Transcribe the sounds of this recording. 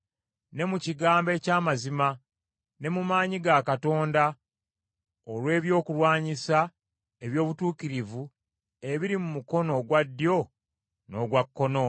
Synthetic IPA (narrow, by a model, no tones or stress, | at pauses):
ne̞muciɡaːmbe̞ːcaːmazima | ne̞mumaːɲiɡakato̞ːnda | olwe̞ːβjo̞ːkulwaːɲisa | eβjo̞ːβutuːkiɾivu | e̞βiɾimumuko̞no̞ɡwadːjo̞ | no̞ːɡwakːo̞no̞